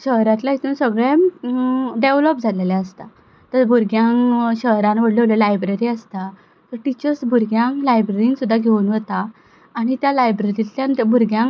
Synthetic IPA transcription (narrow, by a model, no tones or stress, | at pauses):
ɕəɦɾãt̪laɦit̪ʰuːnsəɡɭem | ɖeʋlɔp̚d͡zʱalelɛəst̪a | t̪əɾbʱuɾɡjaŋɕəɦɾãnʋəɽleʋləlajbɾeɾiːəst̪a | t̪əɾʈit͡ɕəɾsbʱuɾɡjãŋklajbɾeɾiŋɡsud̪ʱːaɡʱeunʋət̪aː | ɽ̃it̪jalajbɾeɾit̪janbʱuɾɡjãŋ